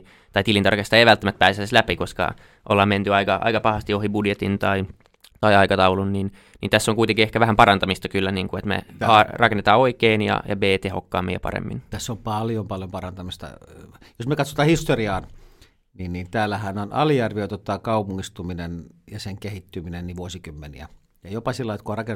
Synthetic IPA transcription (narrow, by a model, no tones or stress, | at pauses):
t̪ɑit̪ilint̪ɑ̰rkest̪ɑeiʋælt̪ːæmæt̪pæːseslæpikoskɑ̰ | ʔolːɑːment̪yɑikɑʔɑ̰ikɑpɑhɑst̪iohibudjet̪int̪ɑi | t̪ɑiɑikɑt̪ɑulunnin | nint̪æsːoŋkuit̪eŋkiehkæʋæhæmpɑɾɑnt̪ɑmist̪ɑkylːæniːŋkuet̪mḛɑrɑkenːet̪ɑːoikeːnjɑ̰jɑ̰beːt̪eho̰kːɑ̰ːmːḛjɑ̰pɑ̰ɾḛmːḭnt̪æsːompɑljompɑljompɑrɑnt̪ɑmist̪ɑ̰josmekɑt̪so̥t̪ɑːhist̪oriɑːn | ninnint̪æːlːæhænonɑ̰lijærʋiøt̪ot̪ːˑɑːkɑupuŋːist̪uminenjɑseŋkehit̪ːyminenniʋuosikymːenḭæ | jɑjopɑsilːɑit̪kuorɑken